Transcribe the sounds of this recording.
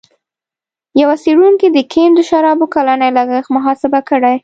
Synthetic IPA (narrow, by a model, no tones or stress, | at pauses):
jawaseɽuŋkid̪əkʰend̪əʃaɾɑbokalanajlaɡəxmaɦɑsɪbakəɽaj